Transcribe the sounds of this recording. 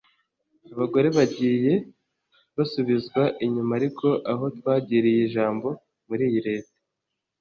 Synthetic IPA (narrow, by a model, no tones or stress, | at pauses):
aβaɡo̞ɾe̞βaɟiːje̞ | βasuβizɡwaʔiɲumaɾiko̞ʔaɦo̞twaːɟiɾijiʒaːmbo̞ | muɾiːjiɾe̞ːte̥